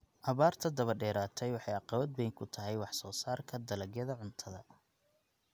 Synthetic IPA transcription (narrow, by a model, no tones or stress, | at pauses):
ʔɐβaːrt̪ʰɐd̪ɐβɐɖɛːɾaːt̪ʰɛjwɑħɑjɑqɑβɐd̪̚bɛjŋkʰʊt̪ʰɐɦɛjwɑħsɔːsaːrkʰɐd̪ɐlɐɡjɐðɐʕʊnt̪ʰɐðɐ